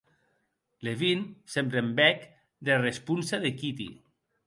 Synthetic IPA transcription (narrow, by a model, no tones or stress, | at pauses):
leβinsembɾembɛk | d̪erespunsaðekit̪ḭ